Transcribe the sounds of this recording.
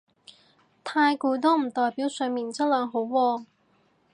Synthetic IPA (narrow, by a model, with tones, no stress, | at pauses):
t̪ʰaː˧jkuː˧t̪̬o˥m̩˨˩t̪ɔː˨jpiː˨˥wsɵ˨˧miː˨˩nt͡sɐ˥t̚lœː˨˧˥ŋɦo˨˥wwɔː˧